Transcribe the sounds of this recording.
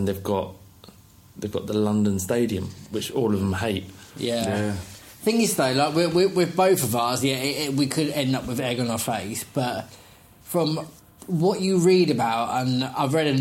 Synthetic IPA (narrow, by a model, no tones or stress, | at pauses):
ə̃nðeɪvɡɒʔ | ðeɪvɡɒ̰ʔðəlʌ̃ndə̃nsteɪdiə̃mwɪt͡ʃɔːləvðə̃mheɪʔ̚jæ | θɪ̃ŋɪz̥ðəʊlaɪkwɪwɪwɪðbəʊθəvʌzjæɪɪwikʰɨdɛ̃ndʌpwɪðɛɡə̃nəəfeɪsb̥ʌt | fɹə̃m | wɒt͡ʃəɹiːɾəbaʊtə̃na̰ɪvɹɛɾɨ